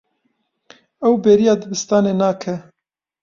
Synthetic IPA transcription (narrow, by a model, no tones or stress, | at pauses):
ɛwbeːɾijɑːd̪ɨbɨst̪ɑːneːnɑːkʰɛ